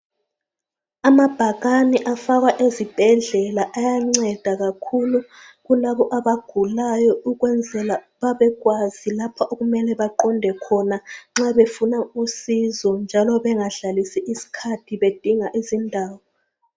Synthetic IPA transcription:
amab̥ʱaɣaniʔafaɣwaʔezib̥ʱɛɮɛlaʔajaŋ͡ǀɛd̥ʱaɣakʰulu | ɣulaβɔʔaβaɡ̥ʱulajɔuɣwɛnd͡zʱɛla | βaβɛɣwazilapʰaʔoɣumɛlɛβaǃɔndʱɛkʰɔnaŋ͡ǁaβefunausizɔnd͡ʒʱalɔβɛŋaɬalisiʔisi̥kʰatʰiβed̥ʱiŋaʔizindʱaːwɔ

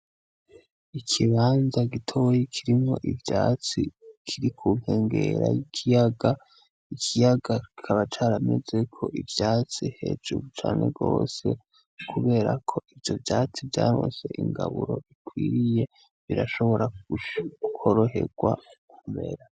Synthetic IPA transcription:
ikʰiβaːnzaɡitʰo̞jekʰiɾimo̞ʔivjaːt͡sikʰiɾikʰuŋ̥he̞ːŋɡe̞ɾajikʰijaɡa | ikʰijaɡai̥kʰaβat͡ʃaːɾame̞ze̞kʰo̞ʔivjaːt͡sihe̞d͡ʒuβut͡ʃaːne̞̰ɡo̞ːse̞ | kʰuβe̞ːɾakʰo̞ivjo̞vjaːt͡sivjaːɾo̰ːnse̞ʔiŋɡa̰βuɾo̞ʔikwiːɾije̞ | βiɾaʃo̞βo̞ɾa | kʰo̞ɾo̞ɦe̞ɡwa | ummbe̞̰ɾa

